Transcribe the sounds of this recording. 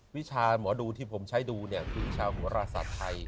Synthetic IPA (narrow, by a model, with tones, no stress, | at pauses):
wi˦˥t͡ɕʰaː˧mɔː˩˦duː˧t̪ʰiː˥˩pʰo˩˦mt͡ɕʰa˦˥jduː˧ni˥˩ɐkʰɯː˧t͡ɕʰaː˧wɦu˨˩˦ɐɾaː˧sa̰˨˩t̪ʰːa˧j